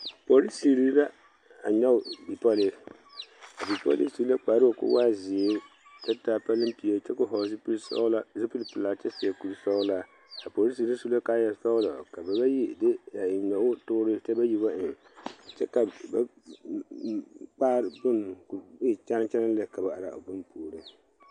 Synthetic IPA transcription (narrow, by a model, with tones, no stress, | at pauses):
po˨ɾi˦si˨ɾi˦la˦ | a̰˨ɲɛ˦ʊ˨bi˨pɔ˦lɪ˦ | a˨bi˨pɔ̰˦lɪ̰˦si˨˦a˦k͡pa˨ɾɨ˦o˨kʊ̰˦waː˦zɪ˨e˦ | t͡ʃɛ˦taː˦˨pa˦lɨ˦m˦pi˨ɛ˨t͡ʃɛ˦kʊ˦ɦɔ˨˦zplsla˦zɪ˦pi˦lpɨ˨la˨t͡ʃɛ˦sɪ˨ɛ˨ku˨lsɔ˦la˦ | a˨poː˨ɾi˦si˨ɾi˦su˦la˦kaː˦ja˨sɔ˦ɣlɔ˨ka˨ba˨ba˦ji˦dɪ˦ja˨ɪ˨ɲɛ˨ʊ˦tʊ˦ɾɨ˦t͡ʃɛ˦ba˦ji˦ba˦ʔɪ˨ŋ˨ | t͡ʃɛ̰˦ka˨ba˦ | k͡paː˦ɾbʊ˦nkbe˦˨t͡ʃa˦n˦t͡ʃɛ˦na˦lɨ˦ka˨ba˨ʔa˨ɾa̰˨bʊ˦npuː˨ɾɨ˦